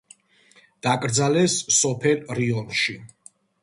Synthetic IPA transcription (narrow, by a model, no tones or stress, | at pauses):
d̪̥akʼɾd̪zalɛsːɔpʰɛlɾiɔnʃi